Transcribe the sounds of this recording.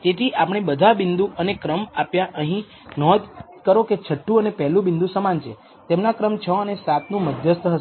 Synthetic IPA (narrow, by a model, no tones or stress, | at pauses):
t̪et̪ʰiʔapəɳ̃ebəd̪ʱabɪnd̪uʔənekɾəmapjaʔəɦĩ | nɔd̪ | kəɾoket͡ʃʰəʈːũənepɛɦlũbɪnd̪ʱusəmant͡ʃʰe | t̪emnakɾəmt͡ʃʰəənesat̪nũməd̪ʱjəst̪əɦə